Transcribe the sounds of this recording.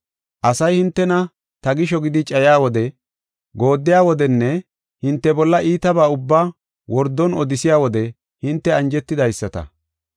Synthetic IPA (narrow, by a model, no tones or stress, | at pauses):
ʔɐsɐjhɪnt̪ːɛnɐ | t̪ɐɡɪʃɔɡɪd̪ɪt͡ʃʼɐjaːwɔd̪ɛ | ɡoːd̪ːɪjaːwɔd̪ɛnːɛ | hɪnt̪ːɛbɔlːɐʔiːt̪ɐbaːʊbːaː | wɔɾd̪ːɔnɔd̪ɪsɪjaːwɔd̪ɛ | hɪnt̪ːɛɐnd͡ʒɛt̪ːɪd̪ɐjsːɐt̪ɐ̰